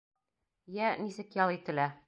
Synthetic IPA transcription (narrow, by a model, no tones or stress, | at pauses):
jænisɘ̆kjɒlˠit̪ɘ̆læ